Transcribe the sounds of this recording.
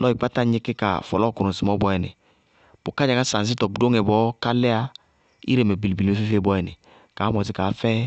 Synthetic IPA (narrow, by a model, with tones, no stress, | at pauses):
lɔ˦i˨k͡pa˦ta˦ɲi˦ke˦ka̰˨fɔ̰˨lɔ˦˨ku˨ɾu˨si˨mɔ˨˦bɔ˨˦ɛ˨nḭ˨ | b̥o˨ka˦d͡ʒa˨ŋa˦sa˨n˨s̬i˦tɔ˨bu˨do˦ŋɛ˨bɔ˨˦ka˦lɛ˦a˦˧ | ḭ˦ɾe˨me˨bi˨li˨bi˨le˦fi˦fe˦˨bɔ˦ɛ˨nḭ˨ | ka˨˦mɔ˨si˦ka˨˦fɛ˦